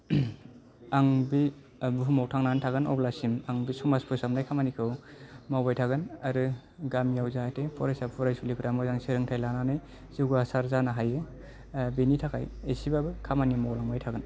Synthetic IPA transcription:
aŋbi | buɦumɔw̚tʰaŋnantʰaɡɯnɔ̰blasimaŋbisɔmaspʰɯsamnajkʰamanikʰɯwmawbajtʰaɡɯnaɾɯ | ɡamjawzatʰepʰɔɾajsapʰɔɾajsulipʰɾamɯzaŋseɾɯŋtʰajlananɯj | ziwɡɯasaɾzanaɦajɯ | benitʰakʰa̰jesibabɯkʰamanimawlaŋbajtʰaɡɯn

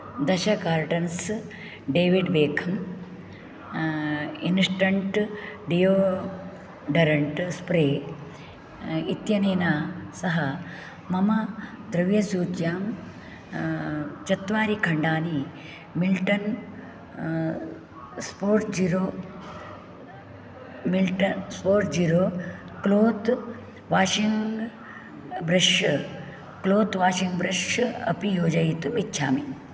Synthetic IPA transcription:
d̪ɐʃɐkaːɾʈɐns | ɖeːʋiɖʋeːkʰɐm | insʈɐɳʈɖijoː | ɖɐɾɐɳʈspɾeː | it̪jɐneːnaːsɐɦɐ | mɐmɐd̪ɾɐʋjɐsuːt͡ʃjaːm | t͡ʃɐt̪ʋaːɾikʰɐɳɖaːni | milʈɐn | spoːɾʈd͡ʒiːɾoː | milʈɐnspoːɾʈd͡ʒiːɾoː | kloːt̪ | ʋaːʃiŋɡ | bɾɐʂɐ | kloːt̪ʋaːʃiŋɡbɾɐʂɐɐ̰pijoːd͡ʒɐjit̪umitːʃʰa̰ːmi

